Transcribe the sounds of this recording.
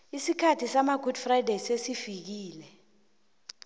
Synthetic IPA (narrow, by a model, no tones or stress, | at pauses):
isikʰatʰisamaɡʱud̥frajdasesifik̬iːlɛ